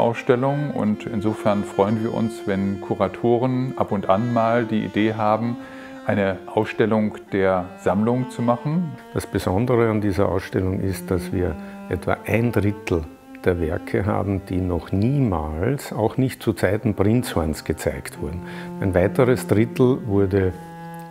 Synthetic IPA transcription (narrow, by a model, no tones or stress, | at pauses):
ʔa̰ʊsʃtɛlʊŋʊ̰ntɪnzoːfɛɐnfʁ̥ɔʏənviːɐʔʊ̰nsvɛnkʰuʁatʰoːʁənʔapʊntʔanmaːldiːʔḭdeːɦaːbm̩ | ʔaɪnəʔaʊsʃtɛlʊŋd̥eːɐz̥amlʊŋt͡sumaχn̩d̥asb̥əzɔndəʁəandiːzɐʔa̰ʊsʃtɛlʊŋʔɪst̚d̥asv̥iːɐʔɛtv̥a̰ʔaɪndʁɪtl̩ | d̥eːɐvɛɐkʰəɦa̰ːbm̩d̥iːnɔχniːmaːlsaʊxnɪçtt͡sut͡saɪtn̩pʁ̥ɪnt͡shɔɐnsɡ̥ət͡sa̰ɪktv̥ʊɐdn̩æɪnvaɪtəʁəsd̥ʁɪtl̩vʊɐdə